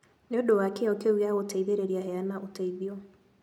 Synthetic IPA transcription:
neodowakɛokeuɣaɣotʰaiðeɾeɾiaɦɛanaʔotaiðio

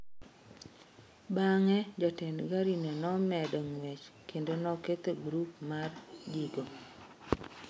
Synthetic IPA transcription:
baŋɛd͡ʒɔtɛnɡaɾinenɔmɛdɔŋwet͡ʃkʰendonɔket̪eɡɾupmard͡ʒiɡo

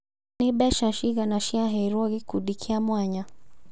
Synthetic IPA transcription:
niɓɛʃaʃiɣanaʃiaɦɛɾɔɣikuɗikʰiamwaɲa

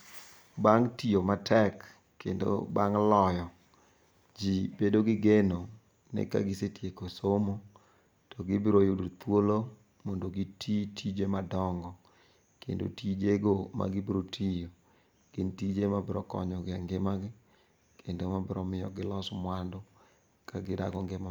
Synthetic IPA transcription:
baŋtiomatʰɛkː | endo̰baŋlɔjɔ | d͡ʒibedoɡɪɡeno | nɛ̰ka̰ɡɪsetjekosomo | tɔɡɪbɾojodot̪wolo | mondoɡitʰitʰid͡ʒemadɔŋɡɔ | kḛndo̰tid͡ʒeɡoma̰ɡɪbɾotʰijo | ɡ̥ɪntid͡ʒemabɾɔkɔ̰ɲɔɡɪaŋɡɪmaɡɪ | kʰendomabɾɔmɪjɔɡɪlɔsmwando | kaɡɪda̰ɡɔŋɡema

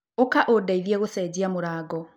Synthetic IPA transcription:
okaʔodaiðieɣosɛd͡ʑiamoɾaːɡɔ

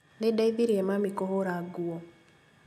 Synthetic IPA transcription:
didaiðiɾiɛmamikɔɦoɾaɡuɔ

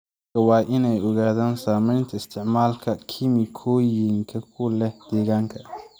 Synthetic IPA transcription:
kɐwɑːʔɪnɛjɔɣaːðaːnsaːmɛjnt̪ʰɐɪst̪ʰɪʕmaːlkʰɐkʰɪmɪkʰɔːjɪŋkʰɐkʰʊlɛhd̪̥ɛːɣaːŋkʰɐ

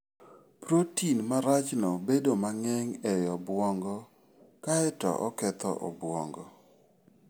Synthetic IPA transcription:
pɾotinmaɾat͡ʃnɔbedomaŋɛŋɛjɔbwɔŋɡɔ | kaɛtɔ̰ʔɔ̰kɛt̪ɔ̰ʔɔ̰bwɔŋɡɔ

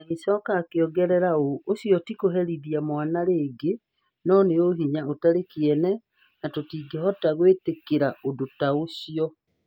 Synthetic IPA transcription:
aŋisɔkaːkeɔɡɛɾɛɾaoːsjɔtikoɦɛɾiðiamwanaɾeːɡe | nɔneoɦiɲaotaɾekiɛnɛ | natotiːɡɛɦɔtaɣwetekeɾaodotaosiɔ

